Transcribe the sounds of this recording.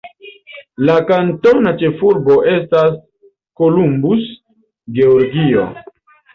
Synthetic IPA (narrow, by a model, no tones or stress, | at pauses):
lakanto̞nat͡ʃe̞fuɾbo̞ʔe̞stas | ko̞lumbus | ɡe̞oɾɡio̰